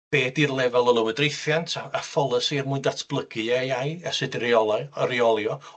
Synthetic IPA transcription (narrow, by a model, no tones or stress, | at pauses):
b̥eːdirlˠɛvɛlˠəlˠəwədrejθjantʰaafɔlˠəsirmʊɨndatʰb̥lˠəɡ̥ɨɛjajɛsɨdiriɔlˠaəɾiɔlˠjɔ